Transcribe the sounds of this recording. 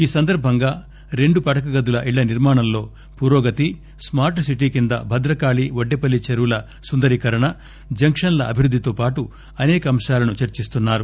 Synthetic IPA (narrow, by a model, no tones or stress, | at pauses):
iːsɐnd̪ɐɾbʱɐŋɡaː | ɾe̞ɳɖupɐʈɐkɐɡɐd̪ulɐʔiɭːɐniɾmaːɳɐmlo̞ː | puːɾoːɡɐt̪i | smaːɾʈsiʈiːkind̪ɐ̰bʱɐd̪ɾɐkaːɭiʋoɖːepɐlːit͡ʃɐɾulɐ | sund̪ɐɾikɐɾɐɳɐ | d͡ʒɐŋkʂɐnɐlɐʔɐbʱiɾud̪ːit̪oːpaːʈu | ɐnɛːkɐːmʂaːlɐnut͡ʃɐɾt͡ʃist̪unːaːɾu